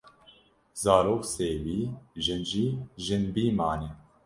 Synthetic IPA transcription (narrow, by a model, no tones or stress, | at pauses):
z̥aːɾoːkseːwiːʒɨnʒiːʒɨnbiːmaːnɛ